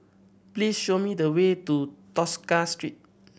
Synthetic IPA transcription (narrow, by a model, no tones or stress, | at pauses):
plisʃomidəwetutɔskastɹit̚